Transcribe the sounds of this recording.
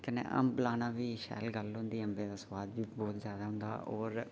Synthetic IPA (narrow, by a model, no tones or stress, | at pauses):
kənḛ̃ʔə̰mblaːnãːʋiːʃɛ̰ːlɡəlɦʊ̃nd̪iːəmbeːd̪aːswaːd̪ʋiːbɔːt̪zjaːd̪aːɦʊ̃nd̪a̰ːʔɔːɾ